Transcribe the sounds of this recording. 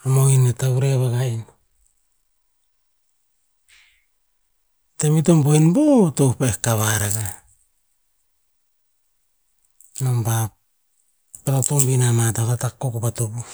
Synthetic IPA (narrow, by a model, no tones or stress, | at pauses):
amoinetauɾeβaɡajn | teβitombojnbotowpaekːaβaɾaɡa | nomba | palatombinamatakatakːokopatopu